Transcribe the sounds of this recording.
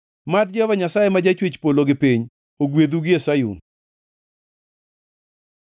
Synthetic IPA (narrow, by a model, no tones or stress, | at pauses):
mad̚d͡ʒɔvaɲasajemad͡ʒat͡ʃwet͡ʃpoloɡɪpiɲ | oɡwed̪uɡɪesajṵn